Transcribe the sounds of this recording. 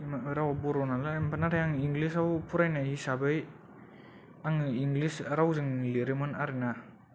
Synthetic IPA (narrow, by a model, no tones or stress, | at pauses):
maɾawabuɾɔnalaempʰanaɾajaŋiŋɡlisawpʰuɾajnaɦisabɯj | aŋiŋɡlisɾawzɯŋliɾemɯnaɾina